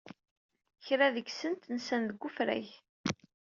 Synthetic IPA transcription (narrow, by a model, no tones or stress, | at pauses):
çɾæðəɡsənt̪nsænðəɡʷːʊfɾæ̰ʝ